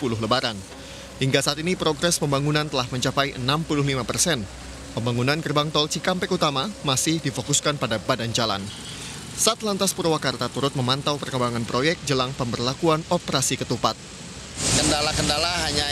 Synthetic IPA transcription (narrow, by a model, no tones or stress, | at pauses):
pulʊɦləbaɾan | hiŋɡasaːt̪inipɾoɡɾɛspəmbaŋunant̪əlahməɲt͡ʃapajʔənampulʊɦlimapərsɛn | pəmbaŋunankərbaŋt̪ɔlt͡ʃikampɛkut̪amamasɪhdifokuskanpadabadand͡ʒala̰n | saat̪lant̪aspuɾwakart̪at̪uɾʊt̪̚məmant̪awpərkəmbaŋanpɾʔojɛk̚t̚d͡ʒəlaŋpəmbərlakuanɔpəɾasikət̪upat̪̚ | kəndalakəndalaɦaɲa